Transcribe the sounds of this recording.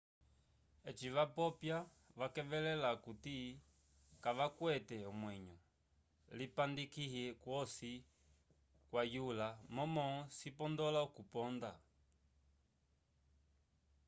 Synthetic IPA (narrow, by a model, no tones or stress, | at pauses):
ɛt͡ʃiʋapɔpja | ʋakɛvɛlɛlakuti | kaʋakwɛtɛɔmwɛɲɔ | lipandikihɛkwɔsi | kwajulamɔmɔsipɔndɔlaukupɔnda